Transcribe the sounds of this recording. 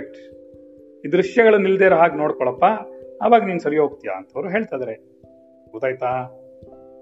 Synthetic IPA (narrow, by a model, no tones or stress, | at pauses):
k̚ʈ | iːd̪ɾuʂjɐɡɐɭɐnːild̪eːɾɐɦaːɡno̞ːɽkɔɭɐpːaːʋaːɡniːnsɐɾijɦoːɡ̚t̪ija̰ɐnt̪ʰɐʋɐɾuɦe̞ːɭt̪ajd̪ɐɾe | ud̪aːjt̪aː